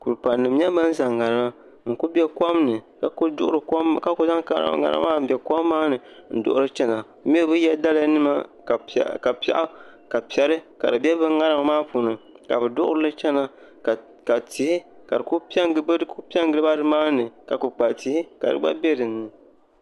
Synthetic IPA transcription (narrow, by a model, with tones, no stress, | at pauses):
ku˨ɾɨ˨pa˨nːɨ˨m˦ɲɛ˦ba˦n̩˦za˨ŋːa˨ɾɨ˦ma˦ | ŋ̩˨ku˦bɛ˦ka˦mnɨ˨ka˨kdʊ̰˦ʔʊ˦ɨ˨kka˦ko˦za˦ka˨ɾa̰˨ŋa̰˨ɾa̰˦maː˦m̩˨˦bɛ˨ka˦mːaː˦nɨ˨n̩˨dʊ̰˦ʔʊ˦ɾɨ˦t͡ʃɛ˦na˨˦m˦i˦bɨ˦jɛ˦da˦la˦nɨ˦ma˦˨ | ka˨pɛ̰˨ʔa˦ka˨pi˨ɛ˨ɾɨ˦ka̰˨dɨ˨bʲɛ˦bɨ˦ŋa˦ɾa˦ma˨maː˦puː˨nɨ˨ka̰˨bɨ˨dʊ˦ʔʊ˦ɾɨ˦lɨ˦t͡ʃɛ˦na˨ | ka˨ti˨hi˦ka˨dɨ˨ku˦pi˦ɛ˦ŋ˦bku˦pi˦ɛ˦ŋɡɨ˨˦ɨ˦ba˦dɨ˦maː˦nɨ˨ka˨ku˨k͡pa˨ti˦hi˦ka̰˨dɨ̰˨ɡ͡ba̰˦bɛ˦dɨ˨nːɨ˨